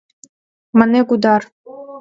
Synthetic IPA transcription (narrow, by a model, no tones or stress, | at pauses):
mɑnekud̪ɑr